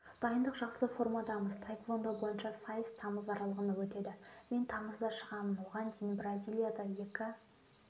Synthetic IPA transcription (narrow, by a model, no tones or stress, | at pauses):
d̪̥ɑjənd̪əqʒɑqsəfo̞rmɑd̪ɑməzt̪ʰajkvˠo̞nd̪ɑbo̞jənʃɑsɑjəst̪ʰɑməzɑɾɑlˠəʁənɑwɵt̪e̞d̪ɪme̞nt̪ʰɑməzd̪ɑʃəʁɑmənwo̞ʁɑnd̪ijnbrazʲijlˠijad̪ɑje̞kʲɪ